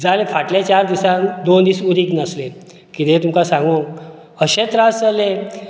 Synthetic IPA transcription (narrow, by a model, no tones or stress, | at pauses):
d͡zalefaʈlet͡ɕaɾd̪isãnd̪ond̪iːsuɾiknəsle | kit̪ẽt̪umkasãŋɡo | əɕet̪ɾasd͡zale